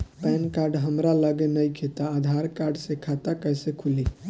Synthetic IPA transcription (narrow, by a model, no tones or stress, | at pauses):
pɛnkaɾɖɦəmɾaləɡenəjkʰet̪aːd̪ʱaɾkaɾɖsekʰat̪akəsekʰuli